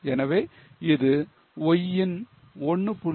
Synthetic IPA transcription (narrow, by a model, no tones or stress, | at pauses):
ɛnɐʋeː | ɪðɯ | ɔjːɪn | ɔɳːɯpʊ